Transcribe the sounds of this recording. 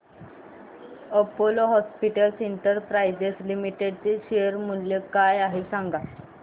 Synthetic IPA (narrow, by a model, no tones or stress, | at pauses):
əpoloɦɔspiʈəlsiɳʈəɾpɾajd͡ʑeslimiʈeɖt͡seɕejəɾmuljekajaɦisãŋɡa